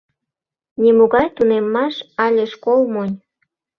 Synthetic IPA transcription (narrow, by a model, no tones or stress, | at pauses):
nʲimuɣɑjt̪unemːɑʃɑlʲeʃkolmonʲ